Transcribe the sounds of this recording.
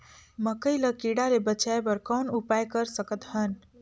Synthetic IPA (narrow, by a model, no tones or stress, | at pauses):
məkəjləkiɽalebət͡ʃaebəɾkɔnupajkəɾsəkət̪hən